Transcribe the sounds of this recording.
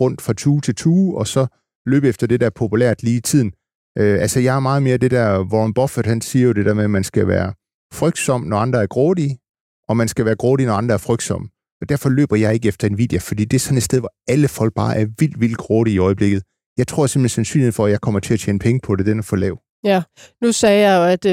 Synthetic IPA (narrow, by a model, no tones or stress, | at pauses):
ʁɔ̽n̰d̥fʁɑ̈t͡sʰuːt͡sʰe̝lt͡sʰuːɒ̽sɒ̽ | lø̰ːb̥efd̥ɐd̥e̝d̥æɐpʰo̝pʰulæ̰ɐd̥liːit͡sʰið̰ˠn̩ | ʔøʔælsəjɑ̈ɪæɐmɑ̈ːð̞̩ˠme̝ːɐd̥e̝d̥æɐʋɒnb̥ɒ̽fed̥hænsiːɐjo̝d̥e̝d̥æ̰ɐmemænsɡ̥æʋæ̰ːɐ | fʁœɡ̥̚d̥sɒ̽m̰nɒɑ̈nd̥ʁɐæɐɡ̥ʁɔːdi | ɒ̽mænsɡ̥æʋæːɐɡ̥ʁɔːðˠinɒɑ̈nd̥ʁɐæɐfʁœɡ̥̚d̥sɒ̽m̰ | ɒ̽d̥æɐfɒ̽lø̰ːb̥ɐjɑ̈ɪe̝ɡ̥əefd̥ɐe̝nʋḭðd̥jæfɒ̽d̥ḭːd̥e̝æɐsɒ̽ned̥sd̥eðˠʋɒæləfɒ̽l̰ɡ̥̚b̥ɑ̈ːʔæɐʋil̰d̥ʋil̰d̥ɡ̥ʁɔːðˠiiɒ̽ɪəb̥le̝ɡ̥ð̩ˠ | jɑɪt͡sʰʁo̝ɐ̰sem̥hensænsy̰nlihḛfɒ̽æjɑ̈ɪkʰɒ̽m̰ɐt͡sʰe̝læt͡ɕʰḛːnəpʰeŋəpʰɒ̽d̥e̝d̥enæfɒlɛ̰ːʊ | nusɛːjɑ̈ɪjoæd̥